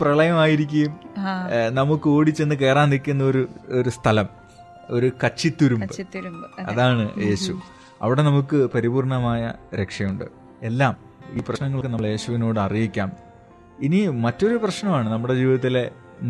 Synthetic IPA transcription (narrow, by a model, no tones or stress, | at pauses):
prɐɭɐjɐmaːjiɾik̬ʲːujum | nɐmukːɨo̞ːɽit͡ɕːe̞nːɨk̬e̞ːraːnnikʲːunːɐo̞ɾuoɾust̪ʰɐlɐm | o̞ɾukɐt͡ɕːit̪ːuɾumbɨɐ̰ðaːɳɨje̞ːɕu | ɐ̰ʋiɽe̞nɐmukːɨpɐɾibuːrɳɐmaːjɐ̰ɾe̞kʂɐjuɳɖɨ̰ | e̞lːaːm | iːprɐɕnɐŋːɐɭkːɨnɐɭje̞ːɕuʋino̞ːɽɨɐrijikʲːaːm | inimɐtːo̞ɾuprɐɕnɐmaːɳɨnɐmːuɽe̞d͡ʑiːʋiðɐt̪ːile̞